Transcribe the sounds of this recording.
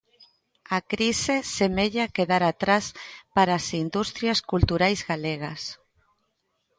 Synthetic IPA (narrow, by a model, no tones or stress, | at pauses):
akɾisesemeʎakeðaɾat̪ɾaspaɾasind̪ust̪ɾjaskult̪uɾajzɣaleɣ̞as